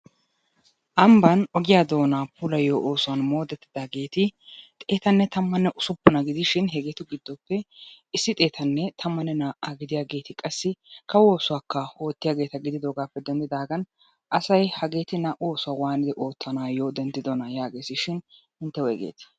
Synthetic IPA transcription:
ʔɐmbɐnɔɡɪjaːd̪o̞ːnaːpulɐjoːʔoːsʊwaːnmo̞ːd̪ɛt̪ːɪd̪aːɡe̞ːt̪ɪt̪ʼe̞ːt̪ɐnːɛt̪ɐmːɐnːɛʔʊsʊpːʊnɐɡɪd̪ɪʃɪnɦɛɡet̪ʊɡɪd̪ːɔpːɛ | ɪsːɪt̪ʼe̞ːt̪ʰɐnːɛt̪ʰɐmːɐnːɛnaʔaɡɪd̪ɪjaːɡe̞ːt̪ɪkʼɐsːɪkɐwo̞ːsʊwaːkːɐho̞ːt̪ːɪjaːɡe̞ːt̪ɐɡɪd̪ɪd̪oːɡaːpːɛd̪ɛnd̪ɪd̪aːɡɐn | ʔɐsɐjhɐɡe̞ːt̪ɪnːɐʔo̞ːsʊwawaːnɪd̪ɛʔo̞ːt̪ːɐnaːjo̞ːd̪ɛnd̪ɪd̪ɔnɐjaːɡe̞ːsɪʃɪnhɪnt̪ːɛwɛɡḛːt̪ɪ̥

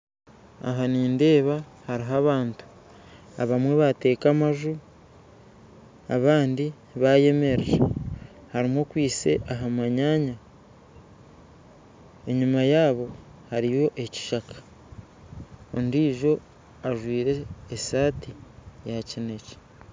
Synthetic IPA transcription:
a̰ɦaniːnde̞ːβa | haɾiɦaβaːntu̥ | a̰βamwe̞βate̞ːkamaʒu | a̰βaːndi | βaje̞me̞ɾeɾe | haɾimokwiːse̞̰ʔaɦamaɲaːɲa | e̞ɲimajaːβo̞ | haɾijo̞ʔe̞ci̥ʃakḁ | o̰ndiːʒo̞ | aʒwiːɾe̞ːsaːtijacine̞ce̥

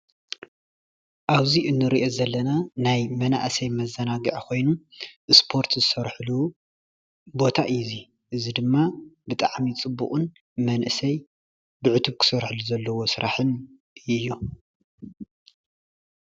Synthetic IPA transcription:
ʔaβziʔɨnːɨɾiʔo̞zɐlːɐnanajmɐna̰ʔsɐjmɐzːɐnaɡiʕkʰo̞jnuʔɨspʰo̞ɾt̪zɨsɐɾħlu | bo̞t̪ʰaʔɨɨzi | ʔɨzid̪ɨmːabɨt̪ʼaʕmit͡sʼɨbːṵχʼun | mɐnʔɨsɐj | bɨʕɨt̪ʰuβkʰɨ̥sɐɾħɨluzɐlːɐwo̞sɨɾʔaħɨn | ɨjːu

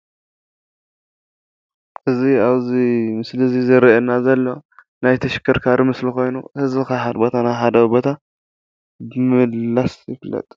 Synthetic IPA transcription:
ʔɨziaβzimɨslɨzizɨɾiɛnːazɐlːo̞ | najt̪ʰɐʃɪ̥kʰːɐɾkʰaɾimɨslixo̞jnuhɨzbɨkahabo̞t̪ʰanajħad̪ɐβbo̞t̪ʰa | bɨmɨlːasjɪflɐ̰t̪ʼ

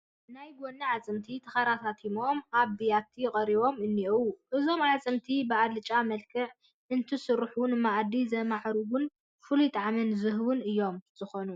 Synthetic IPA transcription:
najɡʷonːɐʕat͡sʼɨmt̪ʰit̪ʰɐxaɾat̪ʰat̪ʰimo̞mʔaβd̪ijat̪ʰijɪkʼɐɾiβo̞mɨnːiʔwuʔɨzo̞mʕat͡sʼɨmt̪ʰibɨad̪lɨt͡ʃʼamɐlkʰɨʕ | ʔɨnt̪ʰɨsɨɾħunmaʔd̪izɐmaʕɾuɡʊn | fɨlut̪ʼaʕamɨnzɨɦβunɨjːo̞mz̥ɨxo̞nu

